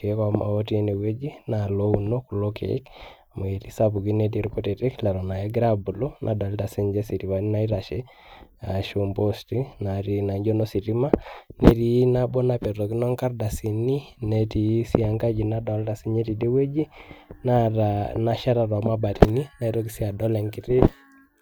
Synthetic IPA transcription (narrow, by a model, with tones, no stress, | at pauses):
ke˨˦ka˨ma̰˨o˦ti˦e˦ne˨we˦d͡ʒi˦na˨lo˦uno˦ku˨lo˦kʰḛ˨˦kamo˨e˨ti˦sa˦bu˨ki˦ne˨t̬i˦ɾko˦te˨ti˦kla˨ɾɔ˨na˨je˦ɡɾa˦bu˨lo˦nʔa̰˨dɔ˨lta˨si˦ɲd͡ʒe˦si˨ti˨wa˨˦ni˦na˦i˦ɾa˨ʃe˦ | a˨ʃo˦mbo˦sti˦na˨ɾi˨na˨ɲd͡ʒo˦no˦si˨ɾi˦ma˦ne˦ɾi˨˦na˦bɔ˦na˨pɛ˨to˨ki˦nɔ˦ŋka˦rda˨si˨ni˦ne˨ti˨˦si˦a˨ŋka˦d͡ʒi˨na˦dɔ˨lta˨si˦ɲe˦ti˨de˦we˦d͡ʒi˦na˦ana˨ʃa˦ɾa˨ɾɔ˨ma˦ba˨ti˨ni˦na˦iɾo˦k̬i˦si˦a˨dɔ˦lɛ˨ŋkɪ˦tɪ˦